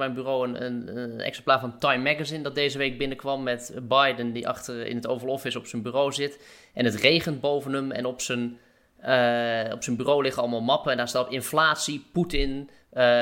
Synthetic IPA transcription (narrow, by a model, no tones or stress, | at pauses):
mɛjnbyroːənənɛ̰ksɛmplaːɹvɔntajmːɛɡazɪndɔt̚deːzəʋeːk̚bɪnəkʋɑmːɛtbajdəndiʔɑ̰xtərɪ̰nətowvərlɔfɪsɔpsənbyroːzɪt | ʔɛnətreːɣən̚bowvənəmɛ̰nɔpsən | ɔpsənbyroːlɪχəɑlˠəmalˠmɑpəɛndaːstapɪnflaːtsiputɪn